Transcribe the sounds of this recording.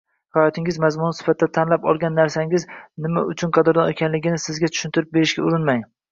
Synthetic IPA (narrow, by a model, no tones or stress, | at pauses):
hɒjɒt̪ʰɪŋʲɪzmazmʊnɪsɪ̥fat̪ʰɪd̪at̪ʰanlapɒ̰lˠɡʲanːaɾsaŋɡʲɪznɪmaʊt͡ʃʰʊnqʰɑd̪ɪɾd̪ɒekʲʰanlɪɡʲɪnɪsɪzɡʲat̪ʰʊ̥ʃɪnt̪ʰɪɾɪp̚be̞ɾɪʃɡʲaʊɾɪnmaŋ